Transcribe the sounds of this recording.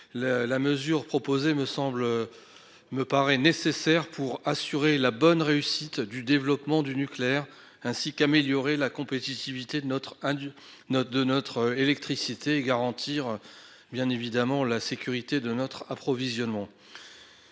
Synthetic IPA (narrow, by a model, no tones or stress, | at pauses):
llaməzyʁpχɔpozeməsɑ̃bl | məpaʁɛnesesɛʁpʰuʁasyʁelabɔnʁeysit̪d̪yd̪evlɔpmɑ̃d̪ynykleɛʁ | ɛ̃sikameljɔʁelakɔ̃pet̪it̪ivit̪et̪χ | d̪ənɔt̪χelɛk̚t̪χisit̪ʰeːɡaʁɑ̃t̪ʰiʁ | bjɛ̃nevid̪amɑ̃lasekʲyʁit̪ed̪ənɔt̪χapχɔvizjɔnmɑ̃